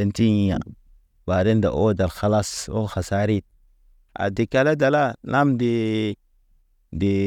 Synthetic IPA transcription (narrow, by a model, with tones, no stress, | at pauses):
e˦nti˦i˨ja̰˨ | ba˨ɾe˦nda̰˨ʔo˦da˨lxa˨la˦so̰˦xa˨sa˦ɾi˦t̚ | a̰˨di˨ka˨la˦da˨la˦la˦mdi˨ | di˨